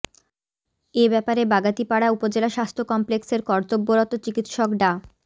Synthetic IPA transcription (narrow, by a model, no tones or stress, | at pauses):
ebɛpaɾebaɡat̪ipaɽaupod͡ʑelaʃast̪ʰokɔmplekseɾkɔɾt̪obːoɾɔt̪ot͡ɕikit̪ʃokɖa